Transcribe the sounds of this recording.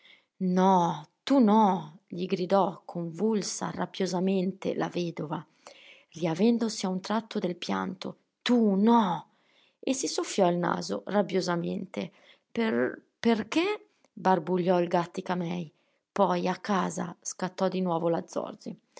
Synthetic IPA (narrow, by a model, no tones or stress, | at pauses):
nɔt̪unɔʎiɡɾid̪ɔkʰoɱvulsa̰ra̰bjozament̪ḛla̰vɛːd̪ova | riavɛnd̪osiaunt̪ɾat̪ːod̪elpja̰nt̪o | t̪unɔ | esːisofːjɔilna̰ːzo̰rabjozamḛnt̪e | pe | perke | barbuʎːɔilɡat̪ːikamɛj | pɔjakːaːza̰skat̪ːɔd̪inwɔːvolad̪zːɔ̰rd͡ʒi